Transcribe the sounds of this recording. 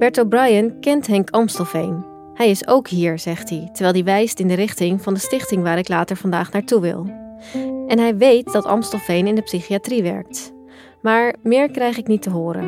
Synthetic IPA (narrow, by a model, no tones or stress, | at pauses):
b̥ɛɹtowbrɑjənkɛntɦɛŋkɑmstəlˠfejn | hɛjɪsowkɦiːɹz̥ɛχtditəɹʋɛjlˠdiʋɛjstɪndərɪχtɪŋvɑndəstɪχtɪŋʋaːɾɪklaːtəɹvɑndaːχnaːɹtuʋɪ̰lˠ | ʔɛnɦɛjʋejt̚d̥ɑtɑ̰mstəlˠfejnɪndəpsiχiatriʋɛ̰ɹk̚t | maːɹmɪːɹkrɛjχɪknitəɦʊːɾə̰n